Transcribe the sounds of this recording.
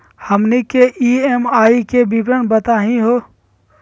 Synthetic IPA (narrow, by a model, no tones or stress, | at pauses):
həmnikeʔiemaːikebipɾənbət̪aːɦĩɦoː